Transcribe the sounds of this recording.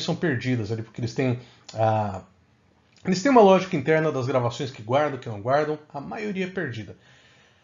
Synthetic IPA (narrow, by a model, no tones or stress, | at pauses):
sɐ̃w̃peɾd͡ʒid̪ɐzalipoɾkɪelɪst̪ẽj̃ | a | elɪst̪ẽj̃ũmɐlɔʒikɐĩnt̪ɛɾnɐd̪ɐzɡɾavasõj̃skɪɡwaɾd̪ɐ̃w̃kɪnɐ̃w̃ɡwaɾd̪ɐ̃w̃ɐmajoɾiɐɛpeɾd͡ʒid̪ɐ